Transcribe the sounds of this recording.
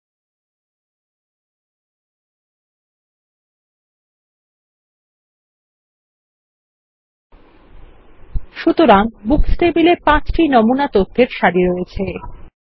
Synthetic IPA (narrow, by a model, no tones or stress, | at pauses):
ʃut̪oɾaŋbuksʈebilepãt͡ɕʈinɔmunat̪ot̪ʰːeɾʃaɾiɾoet͡ɕʰe